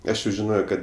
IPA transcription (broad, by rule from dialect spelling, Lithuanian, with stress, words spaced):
ˈɐʃ jɛʊ ʒʲɪˈnoːjoː kɐt